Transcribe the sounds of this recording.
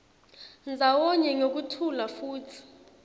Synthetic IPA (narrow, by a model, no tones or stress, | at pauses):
nd͡zʱawɔɲɛŋok̬utʰulafuːtʰi̥